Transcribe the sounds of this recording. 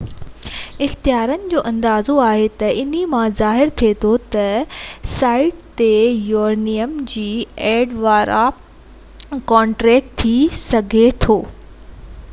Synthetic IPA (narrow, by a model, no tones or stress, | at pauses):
ɪxt̪ijaːɾənɪ̆d͡ʑoːʔɐ̃nd̪aːzoaːɦet̪ɐɪn̤imãzaːɦɪɾt̪ʰiet̪ʰot̪ɐsaːɪʈt̪ejoːɾnijəmd͡ʑiːɛːɖʋaːɾʔa | kɔ̃ːɳʈɾɛːk̚ʈt̪ʰːisɐɡʱet̪ʰoː